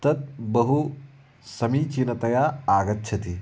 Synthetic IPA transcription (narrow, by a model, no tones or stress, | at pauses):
t̪ɐt̪̚bɐɦu | sɐmit͡ʃinɐt̪ɐjaaːɡɐt̪ːt͡ʃʰɐt̪i